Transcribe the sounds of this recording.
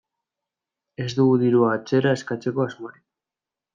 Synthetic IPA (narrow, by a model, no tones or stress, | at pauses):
e̞zd̪uɣuðiɾuaːt͡se̞ɾaeskat͡se̞ko̞azmoɾi